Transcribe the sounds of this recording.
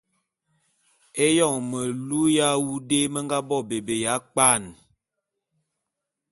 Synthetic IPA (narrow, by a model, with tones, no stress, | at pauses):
e˦jɔ˦˨ŋmə˨lu˦ja˦wu˦de˦mə˦ŋɡa˦bɔ˦˨be˨be˨ja˨˦k͡pa˦˨n